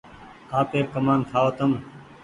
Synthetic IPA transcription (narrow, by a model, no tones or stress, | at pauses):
aːpeːkəmaːnt̪ʰaːoːt̪əm